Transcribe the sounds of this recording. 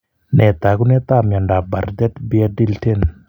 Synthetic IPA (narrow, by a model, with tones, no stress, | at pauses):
nɛ˨t̪a˨ɡu˦nɛ˦t̪a˦mjɔ˨nda˨ba˨rd̪ɛ˦t̪bi˦a˦di˦lte˦n